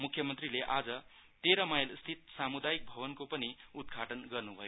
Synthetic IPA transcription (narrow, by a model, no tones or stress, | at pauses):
mukʰːjʌmʌnt̪rileʔad͡zʌ | t̪eɾʌmajlst̪ʰit̪̚samud̪ajik̚bʱʌbʌnkopʌniud̪̚ɡʱaʈʌnɡʌrnubʱʌjo